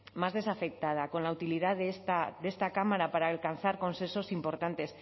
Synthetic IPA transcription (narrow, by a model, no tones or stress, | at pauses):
mazðe̞safe̞k̚t̪að̞ako̞nlaut̪iliðaðest̪ad̪e̞st̪akamaɾapaɾaːlkanθaɾko̞nsenso̞simpo̞ɾt̪ant̪e̞s